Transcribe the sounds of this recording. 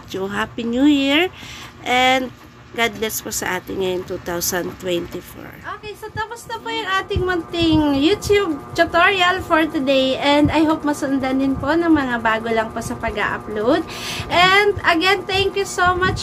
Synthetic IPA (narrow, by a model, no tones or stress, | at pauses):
t̪juɦapinjujiɹʔɛnd̪ | ɡad̪̚lɛsposɐʔaːt̪ɪŋŋɐjoŋt̪ut̪awsɐnt̪wɛnt̪ifo̰ɹʔoːkejsot̪ɐpʊst̪ɐpojʊŋʔaːt̪ɪŋmʊnt̪ɪŋjut̪jub̚t̪ʊt̪oɹiɐlfoɹt̪ʊd̪ejʔɛnd̪ɐjɦowp̚mɐsʊnd̪ɐnɪnpo̞nɐŋmɐŋabaːɡolɐŋposɐpɐɡa̰ʔɐ̰plowd̪̚ | ʔɛnd̪ɐɡɛnt̪ɛŋkjusomat͡ʃ